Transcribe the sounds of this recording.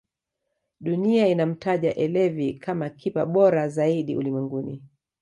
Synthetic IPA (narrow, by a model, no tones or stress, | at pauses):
ɗuniainam̩taʄaʔɛlɛvikʰamakʰipaɓɔɾazaiɗiʔṵlimwɛŋɡunḭ